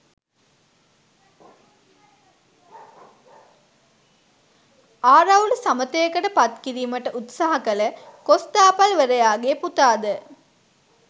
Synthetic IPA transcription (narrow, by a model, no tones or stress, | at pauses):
aːɾawlsamət̪ejəkəʈəpat̪kiɾiːməʈəʔut̪saɦɐkələkost̪aːpalʋeɾejaːɡeput̪aːd̪ə